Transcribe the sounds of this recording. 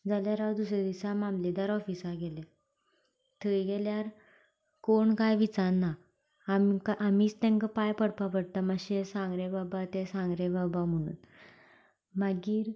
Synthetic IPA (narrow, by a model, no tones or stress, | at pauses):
d͡zaljaɾad̪usɾed̪isamamled̪aɾɔfisaɡɛle | t̪ʰəjɡɛljaɾ | koɳkajʋit͡saɾna | mkaʔamiːt͡st̪ɛ̃ŋkəpajpəɽpapəɽt̪aməɕesãŋɡɾebabat̪esãŋɡɾebabam̤əɽ̃ṵːn | maɡiːɾ